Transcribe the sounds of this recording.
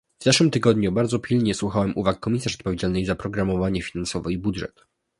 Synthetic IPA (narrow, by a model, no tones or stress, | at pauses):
vzaʂwɘmt̪ɘɡɔd̪ɲubaɾd̪zɔpʲʰilɲɛswuxawɛmuvakːɔmʲisaʂɔt̪pɔvʲjed͡ʑalnɘjzapɾɔɡɾamɔvaɲɛfʲinansɔvɛibudʐɛ̰t̪